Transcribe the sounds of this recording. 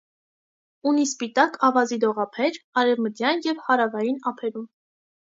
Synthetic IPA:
unispit̪ɑkɑvɑzid̪ɔʁɑpʰɛɾɑɾɛvməd̪jɑnjɛvhɑɾɑvɑjinɑpʰɛɾum

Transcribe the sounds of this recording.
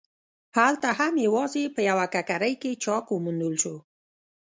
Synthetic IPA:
halt̪ahamjewɑzepəjawakakaɾəjket͡ʃɑkwəmund̪əlʃo

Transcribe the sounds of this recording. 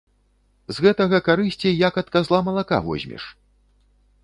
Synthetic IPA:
zɣɛt̪ɐɣɐkaɾɨsʲt͡sʲijakɐt̪kazlˠamɐlˠaka̰vɔ̰zʲmʲɛ̰ʂ

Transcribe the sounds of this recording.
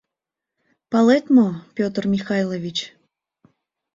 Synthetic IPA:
palˠet̪ʲmopʲot̪rmʲixɑjlˠovʲit͡ɕ

